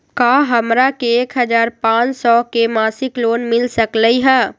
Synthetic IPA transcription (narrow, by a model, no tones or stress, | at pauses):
kaːɦɐmɾakeeːkɦəd͡ʒaːɾpãːt͡ʃsɔkemaːsɪkloːnmɪlsəkləiɦɛː